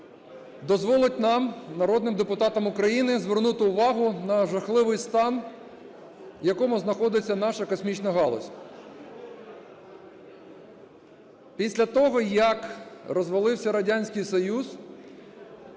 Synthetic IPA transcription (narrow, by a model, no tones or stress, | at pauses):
d̪ɔzʋɔlˠɪt̚ʲnɑmnɐɾɔd̪nɪmd̪epʊt̪ɑt̪ɐmʊkɾɐjinɪzʋernut̪ɪʊʋɑɦʊnɐʒɐxlˠɪʋɪjst̪ɑn | jɐkɔmʊznɐxɔd̪ɪt͡sʲːɐn̪ɑʃɐkɔsmʲit͡ʃnɐɦɑlˠɔsʲ | pʲisʲlʲɐt̪ɔɦɔjɐkrɔzʋɐlˠɪwsʲɐɾɐdʲanʲsʲkɪjsɔjuz